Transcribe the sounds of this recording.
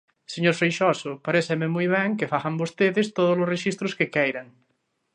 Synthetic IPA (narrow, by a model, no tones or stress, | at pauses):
seɲoɾfejʃɔsʊpaɾesememujβ̞ɛŋkefaɣambost̪eðest̪oð̞ozlosreʃist̪ɾʊskekɛjɾaŋ